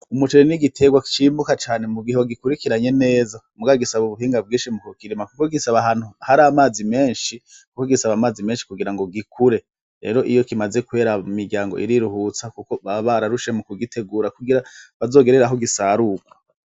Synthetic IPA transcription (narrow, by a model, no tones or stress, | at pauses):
umut͡ʃoɾeniɡitʰe̞ɡwaki̥t͡ʃiːmbukat͡ʃaːne̞muɡiɦeɡikuɾikiɾaɲe̞ne̞ːzamuɡaɡisaβuβuɦiːŋɡabɡiːnʃimukukiɾimakuko̞ɡisaβaɦaːn̥huhaɾamaːzime̞ːnʃikukoɡisaβamaːzime̞ːnʃi̥kuɡiɾaŋɡo̞ɡikʰuɾe̞ | ɾe̞̰ːɾo̞ʔijo̞kimaze̞kuwe̞ːɾaumiɾɟʲaːŋɡoʔiɾiɾuhuːt͡sakuko̞βaβaɾaɾuʃe̞mukuɡitʰe̞ɡuːɾakuɡiɾaβazo̞ːɡe̞ɾe̞ɾaɦo̞ɡisaːɾukwḁ